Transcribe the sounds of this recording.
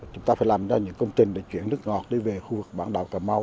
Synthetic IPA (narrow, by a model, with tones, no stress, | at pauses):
t͡ɕʊ˨˦ŋ͡mt̪aː˧faː˧˦laː˨˩mzaː˧ɲɨ̰˧˥ŋkə˧wŋ͡mt̪ï˨˩ŋ̟ɗḛ˧˦t͡ɕwḭ˧˩ənːɨ˦˥ək̚ŋɔ˨˩t̚ɗi˧ve˨˩xu˧vɨ˨˩k̚ɓaː˧˩nɗa̰ː˧˨˩wkaː˨˩ma˧w